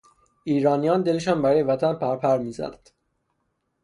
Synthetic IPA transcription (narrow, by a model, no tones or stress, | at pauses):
ʔiːɾɒːnijɒːnd̪eleʃɒːnbæɾɒːjevæt̪ʰænpʰæɾpʰæɾmiːzæ̰næd̪̥